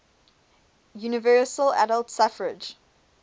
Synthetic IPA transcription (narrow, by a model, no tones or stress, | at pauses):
junɪvɜːsəlæ̰ɾəlˠtsafəɹɪd͡ʒ